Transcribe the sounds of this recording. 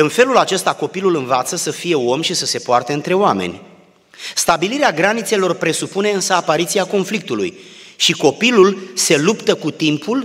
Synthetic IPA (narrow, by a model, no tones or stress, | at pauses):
ɨnfe̞lulat͡ʃe̞st̪ako̞pilulɨnvat̪səsəfije̞o̞mʃisəsepoart̪eɨnt̪ɾe̞oame̞̰nʲ | st̪abiliɾeaɡɾanit̪se̞lo̞rpɾe̞supune̞ɨnsəapaɾit̪siako̞nflik̚t̪ulṵjʃiko̞pilulse̞lupt̪əkut̪impʰul